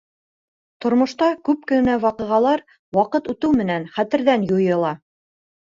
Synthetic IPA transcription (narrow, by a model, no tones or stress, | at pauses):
t̪ŏɾmŏʃt̪ɑkʉp̚kɘ̆næwɑqɤ̆ʁɑlˠɑɾ | wɑqɤt̪ʉt̪ɘwmɘ̆nænχæt̪ɘ̆ɾðænjojɤ̆lˠɑ